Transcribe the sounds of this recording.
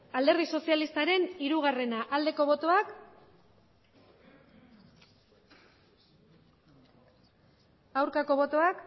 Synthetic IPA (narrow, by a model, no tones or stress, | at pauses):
ald̪e̞ɾð̞iso̞sialist̪aɾe̞niɾuɣ̞are̞naʔald̪e̞ko̞βo̞t̪oak | awɾkako̞βo̞t̪o̞ak